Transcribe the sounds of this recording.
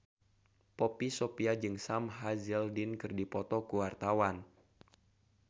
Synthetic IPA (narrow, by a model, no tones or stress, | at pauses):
popisopiad͡ʒɨŋsamɦazildinkɨrdipɔt̪ɔkuwart̪awan